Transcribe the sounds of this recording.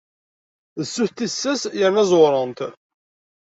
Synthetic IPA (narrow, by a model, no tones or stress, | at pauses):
ðəsːuθt̪isːæsjəɾnæzˤoɾˤənt̪